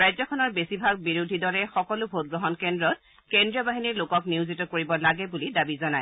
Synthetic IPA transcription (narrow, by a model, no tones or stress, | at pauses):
ɹajzɔkʰɔnɔɹbesibʱaɡ̚biɹudʱidɔɹɛxɔkɔlʊbʱot̚ɡɹɔɦɔnkɛndɹɔt̚ | kendɹiɔbaɦiniɹlokɔkniwzitɔkoɹibɔlaɡɛbulidabizɔnaj